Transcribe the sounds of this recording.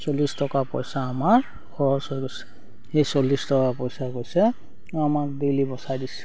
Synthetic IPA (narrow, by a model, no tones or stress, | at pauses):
solistɔkapɔjsaːmaɹ | xɔɹɔsɔjɡosɛ̥ | hejsolːistɔkapɔjsakojsɛ | amaɹdilibɔsajdis